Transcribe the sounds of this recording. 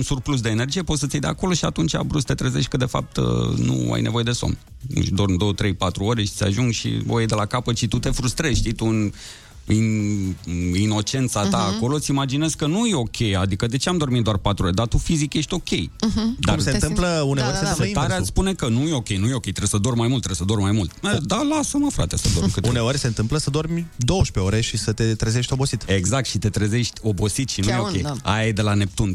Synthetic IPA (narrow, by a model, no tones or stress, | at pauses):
unsurplus̬d̪eːne̞rd͡ʒije̞po̞t̪sət̪ʲejd̪e̞a̰ko̞lo̞ʃiat̪unt͡ʃa̰bɾust̪e̞t̪ɾezeʃt̪̚ʲkəd̪e̞fa̰p̚t̪nṵa̰jne̞vo̞je̞d̪e̞so̰m | ɨ̰ʃd̪o̞rmd̪o̞wət̪ɾe̞jpat̪ɾuo̞ɾe̞ʃi̥sʲa̰ʒuŋɡʃḭvo̰jejd̪e̞lakapət̪ʃit̪ut̪e̞fɾust̪ɾezʃt̪ijt̪uɨn | i | ino̞t͡ʃe̞nt̪sat̪aːko̞lo̞t̪simad͡ʒine̞zkənujeo̞kʲe̞jad̪ikəd̪e̞t͡ʃeamd̪o̞rmit̪d̪oarpat̪ɾuoɾed̪at̪ufizikje̞ʃt̪ʲo̞kʲe̞jd̪arumsent̪ɨmpləuneoɾseset̪aɾeat̪spune̞kənujeo̞kʲe̞jnujeo̞kʲe̞jt̪ɾebesəd̪o̞rmajmult̪ːɾeesəd̪o̞rmajmult̪̚d̪alasəməfɾa̰t̪esəd̪omkɨt̪uneoɾʲse̞nt̪ɨmpləsəd̪o̞rmʲd̪ooʃpe̞oɾe̞ʃisət̪e̞t̪ɾezeʃt̪ʲo̞bo̞sit̪e̞ɡzak̚t̪ʃit̪e̞t̪ɾəze̞ʃt̪ʲo̞bo̞sit̪ʃinujeokʲeja̰jed̪e̞lane̞p̚t̪un